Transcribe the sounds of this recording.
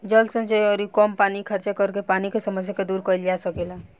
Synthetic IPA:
d͡ʒəlsə̃nt͡ʃejɔɾikɔmpanikʰəɾt͡ʃekəɾkepanikesəməsjaked̪uɾkəjld͡ʒasəkila

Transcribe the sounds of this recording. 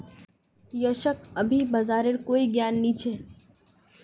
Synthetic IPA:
jəʃəkɐbʱibɐzaːɾeɾkoːiɡjaːnːit͡ʃʰeː

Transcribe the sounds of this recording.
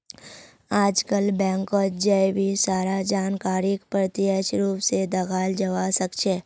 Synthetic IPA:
aːd͡ʒkəlbɛ̃ːŋkod͡ʒəjbʱisaːɾad͡ʒaːnkaːɾɪkpɾət̪iəʃɾuːpsed̪ɐɡaːld͡ʒəʋasəkt͡ʃʰeː

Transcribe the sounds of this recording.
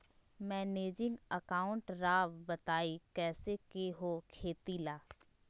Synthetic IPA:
mɛːneːd͡ʒɪ̃ŋɡəkaːʊ̃ɳʈɾaːʋbɐt̪aːikɛːsekeɦokʰeːt̪ilaː

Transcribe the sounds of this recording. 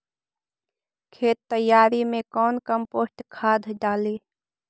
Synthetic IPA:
kʰeːt̪ːəjːaːɾimẽkɔːnkəmpoːsʈkʰaːd̪ʱɖaːliː

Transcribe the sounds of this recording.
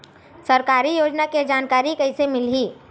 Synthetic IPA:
sɐɾkaːɾijoːd͡ʒnaked͡ʒaːnkaːɾikɐɪsemɪlɦiː

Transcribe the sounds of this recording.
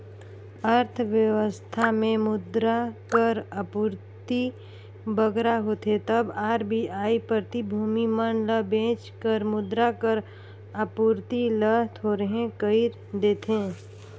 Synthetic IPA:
əɾt̪ʰʋjəʋəst̪ʰamẽmʊd̪ɾakəɾəpuːɾt̪i | bəɡɾaɦoːt̪et̪əbaːɾbʱiaːipɾət̪ibʱuːmimənləbẽːt͡ʃkəɾmʊd̪ɾakəɾ | əpuɾt̪ilət̪ʰoːɾəɦẽkəɪɾ | d̪eːt̪ẽː

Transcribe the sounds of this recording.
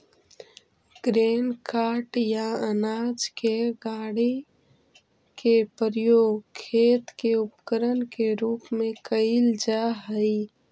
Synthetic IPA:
ɡ̥ɾeːnkaːʈjaənaːd͡ʒkeɡaːɽi | kepəɾjoːɡkʰeːt̪keʊpkəɾənkeɾuːpmẽkəɪld͡ʒaɦəi

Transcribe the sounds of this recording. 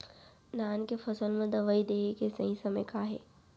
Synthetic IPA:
naːnkefɐsəlmẽd̪ɐʋaid̪eːikesɐɦĩsɐməkaːɦḛː

